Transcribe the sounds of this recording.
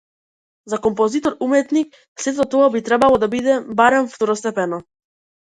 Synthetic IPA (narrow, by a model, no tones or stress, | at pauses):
zakɔmpɔzit̪ɔɾumɛt̪nik̚ | sɛt̪ɔt̪ɔabit̪ɾɛbalˠɔd̪abid̪ɛbaɾɛmft̪ɔɾɔst̪ɛpɛnɔ